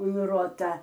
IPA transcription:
ʊn ˈruɔtɐ

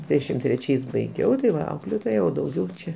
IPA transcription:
ˈsʲæːʃʲɪm tʲrʲɛˈt͡ʃʲɛɪs bɐɪˈɡʲɛʊ tɐɪ ˈʋɐ ˈɐʊklʲeːtoːjɛ oː dɐʊˈɡʲɛʊ ˈt͡ʃʲɛ

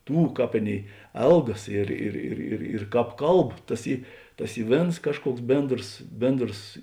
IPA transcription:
ˈtuː ˈkɑːp ˈɑːˌnʲeːɪ ˈɛlˠɡɐs ˈɪr ɪr ɪr ɪr ɪr ˈkɑːp ˈkɐlˠp ˈtɐs ˈiː ˈtɐs ˈiː ˈʋʲeːns ˈkɑːʃˌkuɔks ˈbʲeːndroːs ˈbʲeːndroːs

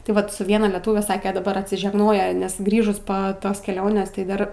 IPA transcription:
tɐɪ ˈʋɐt sʊ ˈʋʲiɛnɐ lʲɛˈtuːʋʲɛ ˈsɑːkʲɛ dɐˈbɐr ɐtʲsʲɪʒʲɛɡˈnoːjɛ nʲɛs ˈɡrʲiːʒʊs poː ˈtoːs kʲɛˈlʲoːnʲeːs tɐɪ ˈdɐr

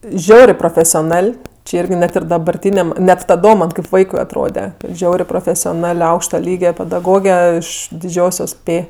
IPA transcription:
ˈʒʲɛʊrʲeː proːfʲɛsʲoːˈnɐlʲ t͡ʃʲɪ ˈɪrʲɡʲɪ ˈnʲɛt ɪr dɐbɐrʲˈtʲiːnʲɛm nʲɛt tɐˈdoːm ˈmɐnʲ kɐɪp ˈʋɐɪkʊɪ ɐtˈroːdʲɛ ˈʒʲɛʊrʲeː proːfʲɛsʲoːˈnɐlʲ ˈɐʊkʃtɐ ˈlʲiːɡʲɛ pʲɛdɐˈɡoːɡʲɛ ɪʃ dʲɪˈd͡ʒʲoːsʲoːs ˈpʲeː

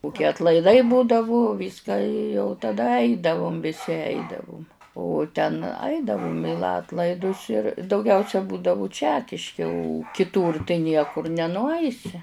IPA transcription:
kʊˈkʲiɛ ɐtlˠɐɪˈdɐɪ ˈbuːdɐʋʊ ˈʋʲiːskɑː ɪ jɛʊ tɐˈdɐ ˈɐɪdɐʋʊm ʋʲɪˈsʲɪ ˈɐɪdɐʋʊm oː tʲɛn ˈɐɪdɐʋʊm ɪ ˈlˠɑːtlˠɐɪdʊs ɪr dɐʊˈɡʲɛʊsʲɛ ˈbuːdɐʋʊ ˈt͡ʃʲæːkʲɪʃʲkʲɪ oː kʲɪˈtuːr tɐɪ ˈnʲiɛkʊr nʲɛnʊˈɐɪsʲɪ

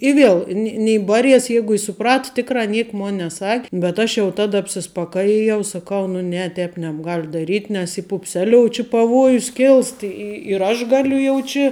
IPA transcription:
ɪ ˈʋʲiɛlˠ nʲɪ nʲɪ ˈbɑːˌrʲiɛs ˈjɛɪɡʊ ɪ sʊˈprɐt ˈtʲɪkrɑː ˈnʲiɛk ˈmoːn nʲɛˈsɐkʲ bʲɛt ˈɐʃ jɛʊ ˈtɑːdɐ ɐpʲsʲɪspɐˈkɑːjɪjɛʊ sɐˈkɐʊ nʊ ˈnʲɛ ˈtʲɛːp nʲɛbˈɡɐlʲ dɐˈrʲiːtʲ nʲɛs iː pʊpʲˈsʲæːlʲoːʊ t͡ʃʲɪ pɐˈʋuɔjʊs ˈkʲɪlˠst ˈɪ ɪ ɪr ˈɐʃ ˈɡɑːlʲʊ jɛʊ ˈt͡ʃʲɪ

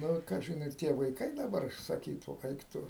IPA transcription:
ˈnʊ ˈkɑːʒʲɪn ɪr ˈtʲiɛ ʋɐɪˈkɐɪ dɐˈbɐr sɐˈkʲiːtuː ˈɐɪk ˈtʊ

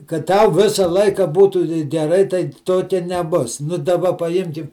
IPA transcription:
kɐt ˈtɐʊ ˈʋʲɪsɐ ˈlˠɐɪkɐ ˈbuːtuː ɡʲɛˈrɐɪ tɐɪ ˈtoːkʲɛ nʲɛˈbʊs nʊ dɐˈbɐ pɐˈjɪmʲkʲɪm

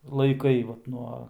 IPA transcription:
lˠɐɪˈkɐɪ ʋɐt ˈnuɔ

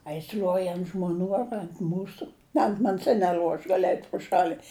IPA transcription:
ɐ jɪs lʲuɔj ɐnt ʒmoːˈnʲuː ɐr ɐnt ˈmuːsʊ ɐnt ˈmɐnʲsʲ ɪ nʲɛˈlʲuɔ ɐʃ ˈɡɑːlʲɪ ɛɪtʲ prʊ ˈʃɑːlʲɪ

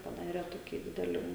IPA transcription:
pɐˈdɑːrʲɛ ˈtoːkʲiː ˈdʲɪdʲɛlʲiː

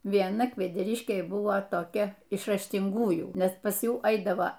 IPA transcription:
ʋʲiɛˈnɐ kʋʲɛdʲɛˈrʲɪʃʲkʲeːj ˈbʊʋoː toːˈkʲɛ ɪʃ rɐʃʲtʲɪŋˈɡuːjuː ˈnʲɛs pɐs ˈjuː ˈɐɪdɐʋoː

